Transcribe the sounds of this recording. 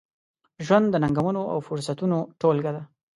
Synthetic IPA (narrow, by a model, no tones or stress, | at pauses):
ʒwand̪d̪ːənaŋɡawanoʔa̰wfʊɾsat̪unoʈolɡad̪a